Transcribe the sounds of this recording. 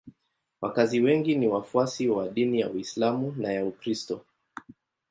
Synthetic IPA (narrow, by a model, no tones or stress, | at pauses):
wʔakaziwɛŋɡiniwafuasiwaɗinijauislamunajaukɾistɔ